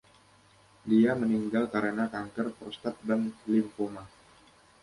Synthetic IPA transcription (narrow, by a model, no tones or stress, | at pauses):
diaməniŋɡalkaɾənakaŋkərfɔrst̪at̪̚danlɪmpoma